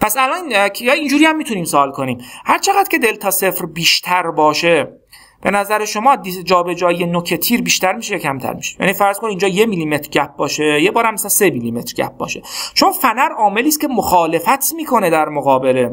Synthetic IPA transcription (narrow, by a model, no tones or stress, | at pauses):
pʰæsælɒːnnʰjɒːind͡ʒuːɾiːæmːiːt̪ʰuniːmsoːlkʰo̞niːmhæɾt͡ʃʰe̞ɣæd̪̥kcʰe̞d̪e̞lt̪ʰɒːsefɾbiːʃt̪ʰæɾbɒːʃe̞ | b̥e̞næzæɾeʃo̞mɒːd̪id͡ʒɒːbe̞d͡ʒɒːijenocʰet̪ʰiːɾbiːʃt̪æɾmiːʃejɑcʰæmt̪ʰæ̰ɾmi̥ʃe̥jæ̰ːniːfæɾz̥kʰoniːnd͡ʒɒːje̞miliːme̞t̪ɾɟæp̚bɒːʃe̞jebɒːɾæmːesænse̞miliːme̞t̪ɾɟæ̰p̚bɒ̰ːʃe̞t͡ʃonfænæɾɒːme̞liːst̪cʰe̞moxɒːle̞fæt̪ʰmiːkʰo̞ne̞d̪æɾmoɣɒːbe̞le̞